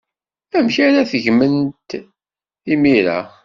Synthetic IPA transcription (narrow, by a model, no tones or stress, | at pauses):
æmçaɾaθəʝmənt̪ | imiɾa̰